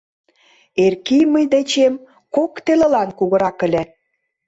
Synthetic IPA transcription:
erkijməjd̪et͡ɕem | kokt̪elelɑnkuɣə̆ɾɑkə̆lʲe

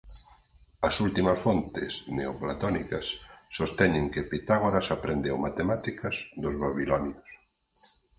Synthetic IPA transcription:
asult̪imasfont̪ḛsneoplat̪onikasːost̪eɲeŋkepit̪aɣoɾasapɾend̪ewmat̪emat̪ikazd̪ozβaβilɔnjos

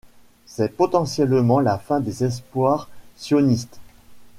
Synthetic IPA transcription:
sɛpɔt̪ɑ̃sjɛlmɑ̃lafɛ̃d̪ezɛs̬pwaʁsjɔnist̪

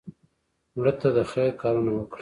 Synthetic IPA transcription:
wɽət̪ad̪əxekɑɾunawəkɽ

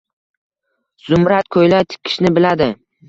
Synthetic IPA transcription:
z̥ʊmɾat̪̚kʰojlat̪ʰɪ̥kʲʰɪ̥ʃnɪbɪlad̪ɪ

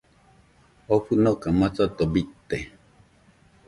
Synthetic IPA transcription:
oɸunokamat͡sat̪obit̪ːe

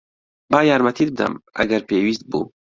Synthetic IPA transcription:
baːjaːɾmɐt̪ʰid̪b̚d̪ɐ̰mɐ̰ɡɐɾpeːwiːst̪̚bṵː

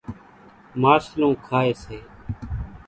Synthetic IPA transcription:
maːʃlõːkʰaːeːseː

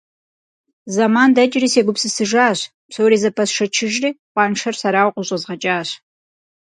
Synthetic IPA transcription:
zamaːndɐt͡ʃʼɪriːseːɡʷʊpsɨsɨʒaːɕ | psowɾiːzɐpʰɐsʂɐt͡ʃʰɪʒriːqʷɑːnʂɐrsɐɾaːwqʷʼʊɕʼɐzʁɐt͡ʃʼaːɕ

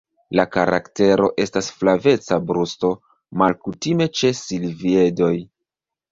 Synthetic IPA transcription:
lakaɾʔa̰kte̞ɾo̞ʔe̞stasflave̞t͡sabɾusto̞ | malkutime̞t͡ʃe̞silvie̞do̞j

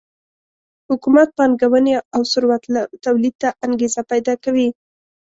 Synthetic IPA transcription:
hʊkumat̪̚pɑnɡawəneawsʊɾwat̪t̪awlid̪̚t̪aʔaŋɡezapajd̪ɑkawi

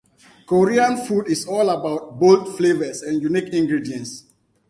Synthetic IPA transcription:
koɹiãnfudisɔlabaʊt̚boltflevəsɛ̃njunikĩŋɡɹidiɛ̃ns

